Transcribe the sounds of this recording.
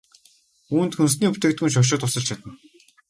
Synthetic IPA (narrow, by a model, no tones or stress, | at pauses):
uːnt̪xɵnsniːpɵt̪ĕkt̪̚unʃ̬ɔʃ̬ʊːt̪ʊsə̆ɮt͡ɕʰat̪ə̆n